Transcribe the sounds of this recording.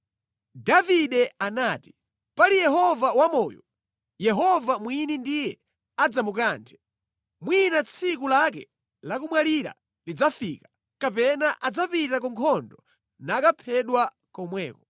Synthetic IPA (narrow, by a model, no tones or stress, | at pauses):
daviɗɛanaːti̥ | palijɛɦɔvawamɔːjɔ̰ | jɛɦɔvamwinindijɛ | ad͡zamukaːntʰɛ̥ | mwinat͡sʰikulakɛ̰ | lakumwaliɾa̰ | lid͡zafikḁ | kapɛnaʔad͡zapitakɔŋkʰɔndɔ | naːkapʰɛɗwa | kɔmwɛːkɔ